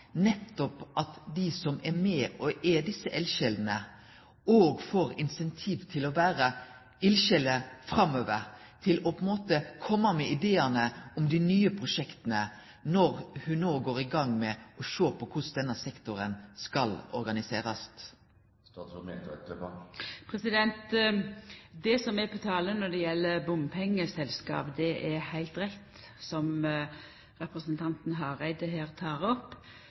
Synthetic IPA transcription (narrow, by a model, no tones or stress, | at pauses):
nɛt̪ːɔpʔɑt̪d̪isɔmɛmɛːʔɔʔɛd̪ɪsːəʔɛlʃɛld̪n̩ə | oːɡfoːɾɪnsɛnt̪ʰiːʋt̪ʰɪlɔʋæːɾə | ɪlʃɛləfɾɑmøːʋəɾt̪ʰɪlɔpʰɔnmoːt̪əkʰɔmːɑmɛɪd̪eːənəɔmd̪ɪnyːəpʰɾʊʂɛkt̪ənə | nɔɾhʉnnoːɡoːɾɪɡɑŋmɛɔʃoːpʰɔkʰʊsd̪ɛnːəsɛkt̪ʊɾənskɑlɔ̰ɾɡɑnɪseːɾɑst̪ | st̪mɛ̰t̪ɛt̪əppʰɾɛsɪd̪ɛnt̪ | d̪ɛsɔmɛpʰɔt̪ʰɑːlənɔd̪ɛjɛlːəbʊmpʰɛŋːəsɛlskɑ̰ːpd̪ɛʔɛhæɪlt̪ɾɛt̪ | sɔm | ɾɛpɾəsənt̪ʰɑnt̪n̩ɦɑɾæɪd̪əɦeːʁt̪ʰɑːʁɔpː